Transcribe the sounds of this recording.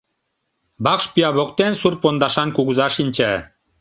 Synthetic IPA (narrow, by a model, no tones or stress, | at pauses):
bɑkʃpiɑβok̚t̪ensurpond̪ɑʃɑnkuɣuzɑʃinʲt͡ɕæ